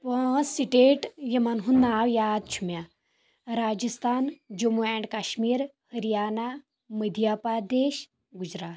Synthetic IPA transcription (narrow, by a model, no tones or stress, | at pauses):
pə̃siʈeʈjemanɦunnawjad̪̚t͡ʃʰumja | ɾaːd͡ʒəst̪ʰaːnd͡ʒəmuɛɳɖkaːɕmiːɾhəɾijaːna | məd̪ʱjapad̪eːɕ | ɡud͡ʑɾaːt̪̚